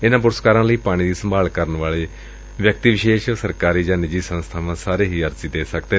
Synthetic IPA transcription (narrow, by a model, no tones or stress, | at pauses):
ɪnãːp̬ʊɾəskaːɾãːləiːpaːɽ̃ĩːd̪iːsəmbaːlkəɾənʋaːɭeː | ʋjək̚t̪iːʋɪʃeːʃsəɾkaːɾiːd͡ʒãːnɪd͡ʒiːsə̃nst̪ʰaːʋãːsaːɾeːɦiːəɾziːd̪eːsəkd̪eː